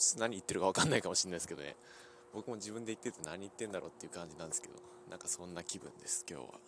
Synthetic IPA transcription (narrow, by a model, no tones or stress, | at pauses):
naɲ̟iit̪ːe̞ɾɯ̟kaβakanːaikamo̞ɕĩnːaisɨ̥ked̪onḛ | bo̞kɯ̟mo̞d͡ʑibɯ̟̃nd̪e̞it̪ːeɾɯ̟t̪onaɲ̟iːt̪ːeɯ̟nd̪aɾʔo̞ːt̪ːeiɯ̟kãɲ̟d͡ʑinãnd̪esɨ̥ke̞̰d̪o̞̰ | nʔã̰ŋkasõ̞nːakʲibɯ̟̃nd̪e̞sɨ̥kʲo̞̰ːβa̰